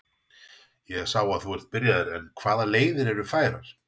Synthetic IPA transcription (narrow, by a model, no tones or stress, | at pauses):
jɛ̥sawaðθuɛɾ̥t̪̚pɪɾjaðɛɾɛnkʰv̥aːðaleːjðɪɾɛɾʏfaːjɾa̰ɾ̥